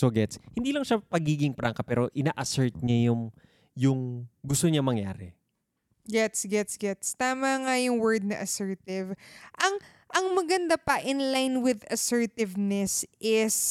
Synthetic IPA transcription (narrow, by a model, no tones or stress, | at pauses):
soɡɛt̪shɪnd̪iːlɐŋʃapɐɡiːɡɪŋpɾaŋkɐpɛːɾoʔɪnaːʔɐsɛɹt̪̚ɲajʊŋ | jʊŋɡʊst̪oɲamɐŋja̰ːɾɛ | ɡɛt̪sɡɛt̪sɡɛt̪st̪aːmɐŋɐjʊŋwɛɹd̪̚nɐʔɐsɛɹt̪ɪvʔɐŋ | ʔɐŋmɐɡɐnd̪apɐʔɪnlajnwɪd̪ɐsɛɹt̪ɪvnɛsʔɪs